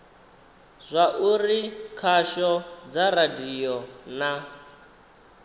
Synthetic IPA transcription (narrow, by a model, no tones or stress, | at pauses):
zʷaʔurikʰaʃɔd͡zaradijɔna